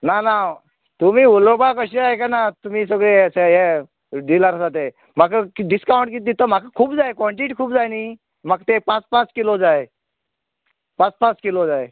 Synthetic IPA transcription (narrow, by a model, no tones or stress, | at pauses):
nana | t̪um̤iːulobakəɕiajkanat̪um̤iːsəɡɭeəseɦe | d̪ilaɾəsat̪̬e | m̤akaɖiskawɳʈkit̪̚d̪it̪əm̤akakʰuːbd͡zajkɔɳʈiʈkʰuːbd͡zajni | mak̚t̪epãt͡spãt͡skilod͡zaj | pãt͡spãt͡skilod͡zaje